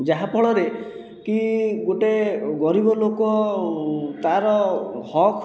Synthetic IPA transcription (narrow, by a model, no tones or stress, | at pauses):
d͡ʒaɦapɔɭɔɾe | kiɡoʈeɡɔɾibɔlokɔ | t̪aɾɔhɔkʰ